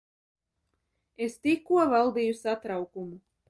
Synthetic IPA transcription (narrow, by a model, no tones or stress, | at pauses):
est̪ikːuɔvalˠd̪iːjusat̪ɾawkumu